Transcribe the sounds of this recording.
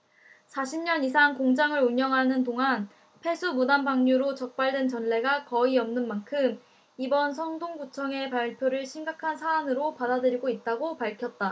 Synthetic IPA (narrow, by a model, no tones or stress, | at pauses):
sʰaɕʰimɲʌnis̬ʰaŋkoŋd͡ʑaŋɯɾuɲʌŋɦanɯndoŋan | pʰe̞sʰumudanbaŋɲuɾot͡ɕʌk̚p͈aɭdwe̞nt͡ɕʌnɭe̞ɡakʌiʌmnɯnmankʰɯm | ibʌns̬ʰʌŋdoŋɡut͡ɕʰʌŋe̞paɭpʰjoɾɯɭɕʰimɡakʰansʰaːnɯɾopadadɯɾiɡoit̚t͈aɡopaɭkʰjʌt̚t͈a